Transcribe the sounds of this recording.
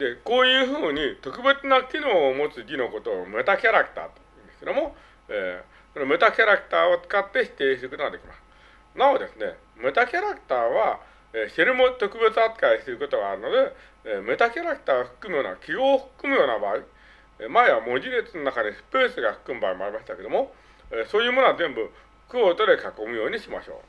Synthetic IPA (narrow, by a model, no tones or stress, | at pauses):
d̪e̞ko̞ːjɯ̟ːɸɯ̟ːɲ̟it̪o̞kɯ̟be̞t͡sɨnakʲino̞ːmo̞t͡sɨɡʲino̞ko̞t̪o̞me̞t̪akʲaɾakɯ̟̥t̪a̰ːt̪oɯ̃nd̪esked̪o̞mo̞ | eː | sonome̞t̪akʲaɾakɯ̟̥t̪aːot͡sɨ̥kat̪ːe̞ɕi̥t̪e̞ːɕi̥t̪ekɯ̟nat̪ekʲimasɨ̥ | naod̪e̞sɨne̞̰ | me̞t̪akʲaɾakɯ̟̥t̪aːβa | eːɕe̞ɾɯmot̪o̞kɯ̟be̞t͡sɨat͡sɨ̥kaisɨɾɯ̟ko̞t̪o̞ɡaːɾɯno̞d̪e̞ː | me̞t̪akʲaɾakɯ̟̥t̪aːoɸɯ̟̥kːɯmɯjo̞ːnakʲiɡo̞ːɸɯ̟̥kːɯ̟mɯ̟jo̞ːnabaːi | maeβamo̞d͡ʑiɾet͡sɨno̞nakad̪esɨ̥pe̞ːsɨɡaɸɯ̥kɯ̟mɯ̟baːemo̞aɾʲimaɕi̥t̪ake̞d̪o̞mo̞ | eːso̞ːjɯːmo̞noazẽ̞mbɯ̟ | ɸɯ̥kɯ̟ot̪od̪e̞kako̞mɯ̟jo̞ːɲ̟iɕima̰ɕo̞̰ː